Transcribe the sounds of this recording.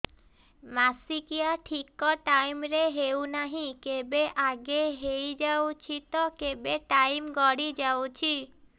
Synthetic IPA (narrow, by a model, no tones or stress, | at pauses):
masikijaʈʰikɔʈaimɾeɦewnaɦĩkebeʔaɡeɦejd͡ʒawt͡ʃʰit̪ɔkebeʈaimɡɔɽid͡ʒawt͡ʃʰi